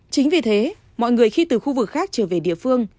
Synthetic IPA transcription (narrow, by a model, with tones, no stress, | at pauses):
t͡ɕï˨˦ŋ̟vi˨˩t̪ʰe˨˦ | mɔ̰˧˨jŋɨ˨˩əjxi˧t̪ɨ˨˩xu˧vɨ˨˩k̚xaː˦˥k̚t͡ɕəː˧˩ve˨˩ɗḭ˧˨əfɨ˧əŋ